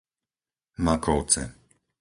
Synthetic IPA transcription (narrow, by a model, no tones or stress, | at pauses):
makɔʊt͡sɛ̰